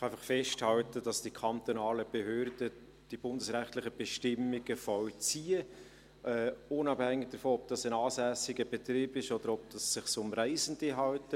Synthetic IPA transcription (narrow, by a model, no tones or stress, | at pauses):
χæɪfɑχfɛʃthɑltəd̥ɑsd̥ikʰɑnt̪onɑːləb̥eɦøːɾdə | d̥ib̥ʊndəsɾæχt̪lɪχəb̥ɛʃtɪmːɪɡəfɔwt͡siːə | ɛʊnɑphæŋːɪɡ̚d̥əɾfoɔb̚d̥ɑsənɑːsæsɪɡəb̥ɛtɾiːbɪʃɔd̥əɾɔb̚d̥ɑsːɪχsʊmræɪzənd̥əɦɑwtə